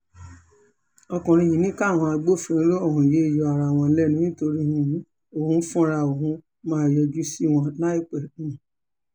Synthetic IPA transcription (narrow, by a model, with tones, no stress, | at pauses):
ɔ˧kɔ̃˨ɾ̃ĩ˧ji˨nĩ˦ka˦˨w̃ɔ̃˧a˧ɡ͡bo˦˨fĩ˧ɾĩ˧˦lo˦ɔ˦˨ɦũ˨je˨˦i˦˨jɔ˧a˨ɾa˨w̃ɔ̃˧lɛ˦nũ˦ĩ˦to˧ɾi˦hĩ˧˨˦ | o˦˨hũ˦fũ˦a˦˧ɾa˧o˨ɦũ˦ | mãː˦˨jɔ˧d͡ʒu˦si˦w̃ɔ̃˧na˦i˦˨k͡pɛ˨nũ˨˦˨